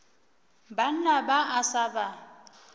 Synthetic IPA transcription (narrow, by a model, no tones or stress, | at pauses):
ban̩nabaʔasaba